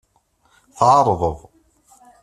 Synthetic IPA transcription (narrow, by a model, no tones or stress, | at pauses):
θʕɑɾˤðˤəðˤ